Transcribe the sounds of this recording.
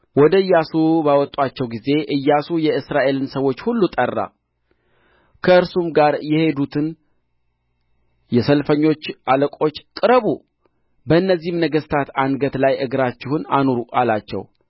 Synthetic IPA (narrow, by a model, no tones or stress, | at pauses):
wɔd̪əɨjːasubawɔt̪ʼwat͡ʃːɛwɡize̞ʔɨjːasujɛɨsɾaʔe̞lɨnsəwo̞t͡ʃːhulːut̪ʼərːa̰ | kʰəɨɾsumɡaɾjɛhe̞d̪ut̪ʰɨn | jɛsəlfəɲːo̞t͡ʃːʔaləkʼo̞t͡ʃːkʼɨɾəβu | bəɨnːəzːihmnəɡəst̪ʰat̪anɡət̪lajʔɨɡɾat͡ʃːɪhunanuɾuʔalat͡ʃːɛ̰w